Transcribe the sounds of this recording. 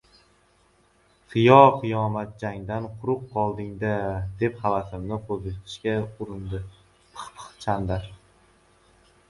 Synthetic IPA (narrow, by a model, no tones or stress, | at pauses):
tʰɨjɒqʰɨjɒmat̪̚d͡ʒaŋd̪anqʰʊɾʊqːɒlˠd̪ɪŋd̪ad̪e̞phavasɪmnɪqʰozɪt̪ʰɪ̥ʃkʲaʊɾɪnd̪ɪ | pʰɨ̥χpʰɨ̥χt͡ʃʰand̪aɾ